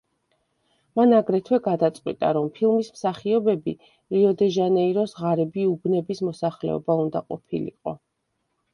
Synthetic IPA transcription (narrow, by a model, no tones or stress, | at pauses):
manaɡɾɛt̪ʰwɛɡad̪at̪sʼqʼwit̪ʼa̰ɾɔmpʰilˠmismsaχiɔbɛbi | liɔd̪ɛʒanɛiɾɔsʁaɾɛbiubnɛbismɔsaχlɛ̰ɔ̰baund̪aqʼɔ̰pʰilḭqʼɔ